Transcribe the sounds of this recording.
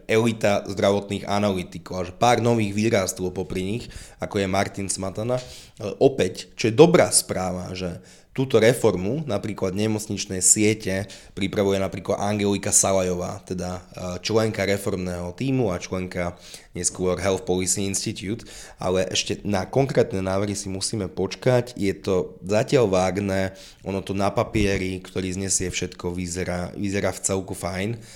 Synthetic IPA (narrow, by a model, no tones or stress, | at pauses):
ɛlit̪azd̪ɾaʋɔt̪niːɣa̰nalit̪ikɔʊaʒɛpaːɾnɔʋiːɣʋiːɾast̪ɔʊpɔpɾiɲixakɔjɛmaɾt̪insmat̪ana | ɛʔɔpɛct͡ʃɔjɛd̪ɔbɾaːspɾaːʋa̰ʒɛ | t̪uːt̪ɔɾɛfɔɾmunapɾiːklad̪ɲɛmɔt͡sɲit͡ʃnɛjsɪɛcɛpɾipɾaʋujɛnapɾiːklad̪aŋɡɛlikasalajɔʋa̰ːt̪ɛd̪at͡ʃlɛŋkaɾɛfɔɾmnɛːɦɔt̪iːmuat͡ʃlɛŋka | ɲɛskʊɔɾɦɛlfpɔlisiinʃt̪it̪juːt̪ʔa̰lɛʔɛ̰ʃcɛnakɔŋkɾɛːt̪nɛːnaːʋr̩ɦisimusiːmɛpɔt͡ʃkacjɛt̪ɔzacɪalʋaːɡnɛ | ʔɔnɔt̪ɔnapapɪɛɾikt̪ɔɾiːzɲɛsɪɛfʃɛt̪kɔʋizɛɾaʋizɛɾaːft͡sɛlkufajn